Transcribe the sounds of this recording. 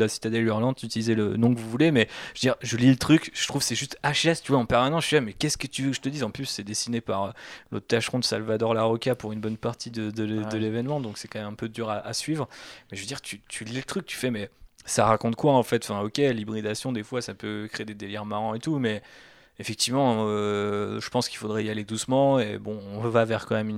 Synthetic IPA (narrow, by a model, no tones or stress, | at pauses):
lasi̥t̪ad̪ɛlyʁlɑ̃d̪yt̪ilizɛlənɔ̃kəvuvulemɛʒvəd̪iʁʒəlilət̪χykʒ̥ə̥t̪χuvsɛʒyst̪aʃɛst̪yvwaɑ̃pɛʁmanɑ̃syvamɛkʲɛskət̪yvøkʒət̪əd̪izɑ̃plysːɛd̪esinepaʁølo̰t̪t̪ːaʃχɔ̃d̪əsalvad̪ɔʁlaʁɔkʲapuʁynbɔnpaʁt̪ʰid̪əd̪əd̪əlevɛnmɑ̃d̪ɔ̃ksɛkɑ̃mɛmɛ̃pød̪yʁaʔasɥivʁmɛʒəvød̪iʁt̪ʰyt̪ʰylɛlət̪χyk̚ːt̪y̥fɛmɛsaʁakɔ̃t̪kwaɑ̃fɛt̪fɛ̃ɔkʲelibʁid̪asjɔ̃d̪efwasapøkχeed̪ed̪elɛʁmaʁɑ̃et̪umɛ | efɛk̚t̪ivmɑ̃øʒəpɑ̃skʲilfod̪ʁɛialed̪usmɑ̃ebɔ̃ɔ̃vavɛʁkɑ̃mɛmyn